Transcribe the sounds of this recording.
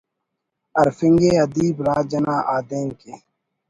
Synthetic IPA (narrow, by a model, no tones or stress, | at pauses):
ɐɾfɪŋɡeːɐd̪iːbɾaːd͡ʒɐnaːʔaːd̪eːŋkeː